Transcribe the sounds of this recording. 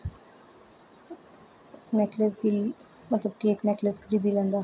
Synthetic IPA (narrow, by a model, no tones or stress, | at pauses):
nɛkləsɡil | mət̪ləb̚kieknɛkləsɡɾiːd̪ilənd̪a